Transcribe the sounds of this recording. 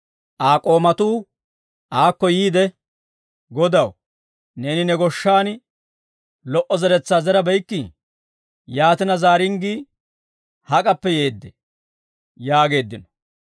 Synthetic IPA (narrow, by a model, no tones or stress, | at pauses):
ʔaːkʼo̞ːmɐt̪uː | ʔaːkːɔjiːd̪ɛ | ɡɔd̪ɐw | ne̞ːnɪnɛɡɔʃːaːn | lɔʔɔzɛɾɛt͡sːaːzɛɾɐbɛjkːi | jaːt̪ɪnɐzaːɾɪŋɡiː | hɐkʼɐpːɛje̞ːd̪ːɛ | jaːɡe̞ːd̪ːɪnɔ̥